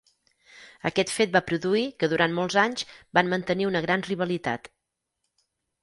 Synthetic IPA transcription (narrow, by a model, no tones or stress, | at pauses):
əkɛt̪fet̪̚bapɾuðuikəðuɾʔanmolˠzaɲzbanmənt̪əniunəɣɾanriβəlit̪a̰t̪